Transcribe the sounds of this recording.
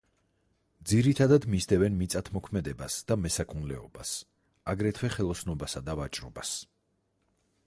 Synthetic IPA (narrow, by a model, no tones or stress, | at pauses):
d̪ziɾit̪ʰad̪ad̪mizd̪ɛvɛnmit̪sʼat̪ʰmɔkʰmɛd̪ɛbasd̪̥amɛsakʰunlɛɔbas | aɡɾɛt̪ʰwɛχɛlˠɔsnɔbasad̪avat͡ʃʼɾɔbas